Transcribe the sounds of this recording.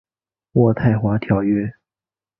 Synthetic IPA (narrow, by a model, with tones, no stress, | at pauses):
wɔ˥˧t̪ʰa˥˩ɪxwa˧˥t̪ʰjɑ˨˩ʊɥɛ˥˩